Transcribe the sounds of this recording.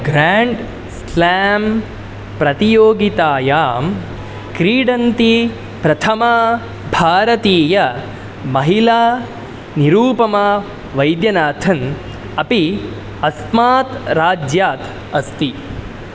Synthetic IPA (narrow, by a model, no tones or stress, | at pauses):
ɡɾaːɳɖ | slæːm | pɾɐt̪ijoːɡit̪aːjaːm | kɾiːɖɐnt̪i | pɾɐt̪ʰɐma | bʱaːɾɐt̪iːjɐ | mɐɦilaː | niɾuːpɐma | ʋɐjd̪jɐnaːt̪ʰɐn | ɐpi | ɐsmaːt̪ɾaːd͡ʒjaːt̪ | ɐst̪i